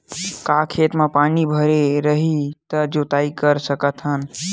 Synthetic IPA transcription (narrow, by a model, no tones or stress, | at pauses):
kakʰet̪mẽpaːnibʱəɾeɾəɦit̪əd͡ʒot̪aːikəɾsəkət̪ɦən